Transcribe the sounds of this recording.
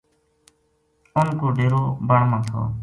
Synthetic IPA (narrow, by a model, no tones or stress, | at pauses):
ʊnkoːɖeːɾoːbəɳmãːt̪ʰo̰ː